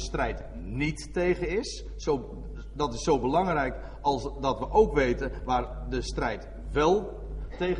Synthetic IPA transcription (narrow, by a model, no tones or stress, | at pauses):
əstrɛjt | nitːejχənɪs | so | dɑtɪsːowbəlɑŋrɛjk | ɑlˠsdɑtʋəʔowkʋejtəʋaːr | dəstrɛjt | ʋɛlˠ | tej